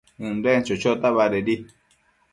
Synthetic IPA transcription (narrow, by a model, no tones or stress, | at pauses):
ũnd̪ent͡ʃot͡ʃot̪aβaɾeɾi